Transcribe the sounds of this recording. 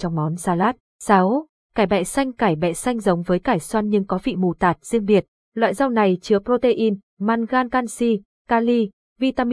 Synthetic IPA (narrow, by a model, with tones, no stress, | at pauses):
t͡ɕɔ˧wŋ͡mmɔ˨˦nsaː˧laː˦˥t̚ | saː˨˦w | kaː˧˩jɓɛ̰˧˨sa˧jŋ̟kaː˧˩jɓɛ̰˧˨sa˧jŋ̟zə˨˦wŋ͡mvəː˨˦jkaː˧˩jswa˧nɲɨ˧ŋkɔ˨˦vḭ˧˨mu˨˩t̪aː˨˩t̚z̥i˧əŋɓi˨˩ət̚ | lwa̰ː˧˨jza˧wna˨˩jt͡ɕɨ˨˦əpɾo˧t̪e˧ʔi˧n | maː˧nɣaː˧nkaː˧nsi˧ | kaː˧li˧ | vi˧t̪aː˧m˧